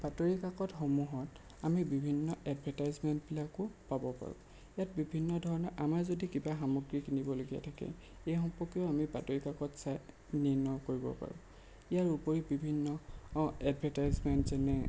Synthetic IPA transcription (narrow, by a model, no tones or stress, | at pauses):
b̥atoɹikakɔtxomuɦɔt | amibibʱinːɔɛdbʱɛtajzmɛntpilakʊpabɔpa̰ɹʊ̰̃ | ijat̚bibʱinːɔdʱɔɹɔnɔʔamaɹzodikibaxamɔɡɹikinibɔloɡija̰tʰakɛ̰ | ejxɔmpɔkiɔamibatoɹikakɔtsaj | niɹnɔkoɹibɔ̰pa̰ɹʊ̰̃ | ijaɹupoɹibibʱinːɔɛdbʱɛtajzmɛntzɛnɛ